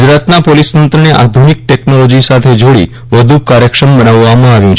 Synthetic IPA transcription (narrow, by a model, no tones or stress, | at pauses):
d͡ʒɾat̪napolisnənt̪ɾəneʔa̰d̪ʱunik̚ʈeknolod͡ʒisat̪ʰed͡ʒoɽḭ | ʋəd̪ʱukaɾjəkʃəmbənaʋːamãaʋjũt͡ʃʰ